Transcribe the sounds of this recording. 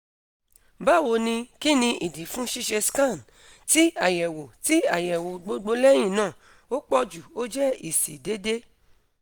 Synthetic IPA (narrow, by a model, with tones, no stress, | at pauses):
ba˦˨wo˧nĩ˧ki˦nĩ˧ʔi˨di˨˦fũ˦ʃi˦ʃɛ˧skã˦˨n | ti˦a˦˨jɛ˨wo˨ti˦a˦˨jɛ˨wo˨ɡ͡bo˨˧˦ɡ͡bo˧˦lɛ˦j̃ĩ˦˨nãː˦˨ | o˦k͡pɔ˦d͡ʒu˨o˦d͡ʒɛ˦i˨sḭ˨de˨˦de˦